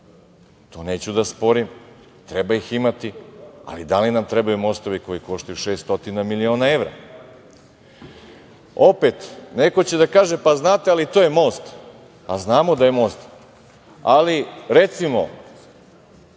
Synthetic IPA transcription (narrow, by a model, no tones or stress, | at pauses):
t̪oːne̞ːt͡ɕud̪aspo̞ɾim | t̪ɾe̞baiximat̪ia̰lid̪alinamt̪ɾebajumo̞st̪o̞ʋiko̞jiko̞ʃt̪ajuʃe̞ːst̪o̞t̪inamilio̞ːnae̞ʋɾa̰ | o̞pet̪neko̞t͡ɕe̞d̪akaːʒe̞paznaːt̪ealit̪o̞ːje̞mo̞ːst̪ | aznaːmod̪aje̞mo̞ːst̪ | aliɾe̞t̪simo̞̰